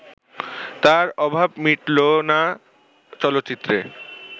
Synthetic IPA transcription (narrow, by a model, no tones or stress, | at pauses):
t̪aɾɔbʱabmiʈlona | t͡ɕɔlot̪ːt͡ɕit̪ːɾe